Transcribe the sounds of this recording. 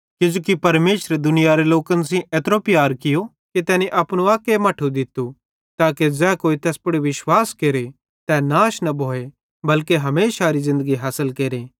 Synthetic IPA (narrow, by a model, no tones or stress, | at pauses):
kɪd͡ʒoːkipɐɾmeːʃɾed̪ʊnɪjaɾeloːkəns̬ĩʔɛt̪ɾoːpɪjaːɾkɪjo | ket̪ɛːneʔɐpɽ̃ũaːkemɐʈʰud̪ɪt̪ːu | t̪aːked͡ʒɛːkoːit̪ɛːspɐɽiʋɪʃwaːskeːɾe | t̪ɛnaːʃnɐbʱoːe | bɐlkeɦɐmeːʃaɾizɪ̃nd̪əɡiɦaːsəlkeːɾeː